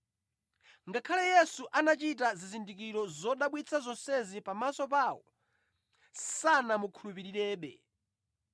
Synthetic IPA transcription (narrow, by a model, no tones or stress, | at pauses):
ŋɡakʰalɛjɛsuʔanat͡ʃit̬azizindikiɾɔzɔɗaɓwit͡sʰazɔnsɛzipamasɔp̬aːwɔ | sanamukʰulup̬iɾiɾɛːɓɛ̰